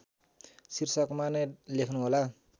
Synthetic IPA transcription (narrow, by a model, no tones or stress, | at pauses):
sirsʌkmanʌlekʰnuɦola